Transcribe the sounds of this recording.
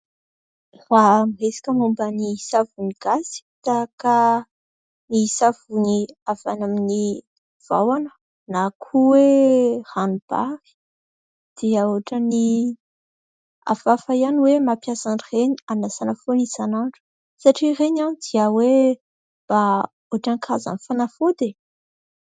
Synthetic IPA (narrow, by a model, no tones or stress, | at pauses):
ramiɦesḁkʲəmumbənisavuniɡ̥asi̥t̪aka | nisav̥uniav̥anamini | v̥a̰wanə̥ | nakʰuweranub̥a̰ɾi̥ | d̪̥iəoʈ͡ʂəni | a̰vafaianiwemapjasanireɲianasanəfonisanaɳɖ͡ʐu̥ | saʈ͡ʂireɲanid̪iəwe | b̥a | oaʈ͡ʂaŋkʰaza̰nfanafod̪e